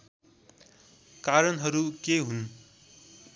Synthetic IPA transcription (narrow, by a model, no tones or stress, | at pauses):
kaɾʌnɦʌɾukeɦun